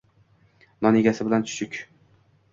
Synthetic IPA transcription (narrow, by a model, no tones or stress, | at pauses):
nɒneɡʲasɪbɪlant͡ʃʰʊ̥ʃʰʊkʲ